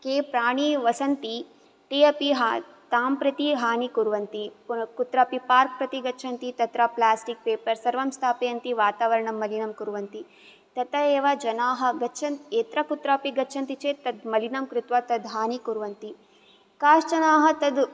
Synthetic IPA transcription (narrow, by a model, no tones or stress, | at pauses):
keːpɾaːɳiʋɐsɐnt̪i | ʈeːɐpiɦa | t̪aːmpɾɐt̪iɦaːnikuɾʋɐnt̪ikut̪ɾaːpipaːɾk̚pɾɐt̪iɡɐtːʃʰɐnt̪it̪ɐt̪ɾɐplaːsʈik̚peːpɐɾsɐɾʋɐmst̪ʰaːpejɐnt̪iʋaːt̪aːʋɐɾɐɳɐmːɐlinɐmkuɾʋɐnt̪i | t̪ɐt̪ɐeːʋɐd͡ʒɐnaːɦɐ̆ɡɐtːt͡ʃʰɐnt̪eːt̪ɾɐkut̪ɾaːpiɡɐtːʃʰɐnt̪it͡ʃeːt̪ɐd̪mɐlinɐmkɾɪt̪ʋɐt̪ɐd̪ɦaːnikuɾʋɐnt̪i | kaːʃt͡ʃɐnaːɦɐ̆t̪ɐd̪